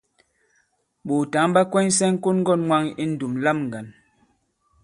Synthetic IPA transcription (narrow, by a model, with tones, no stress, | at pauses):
ɓo˨ta˨˦ŋba˦kwɛ˦n˦sɛ˦ŋ̩˦ko˦nŋ˦ɡɔ˦˨nŋwa˦ŋi˦n̩˦du˨mla˦˨mŋ˨ɡa˨n